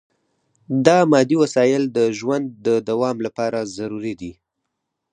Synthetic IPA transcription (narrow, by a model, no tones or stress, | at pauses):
d̪ɑmɑd̪iwasɑjɪld̪əʒwand̪ːəd̪awɑmlapɑɾazaɾuɾid̪i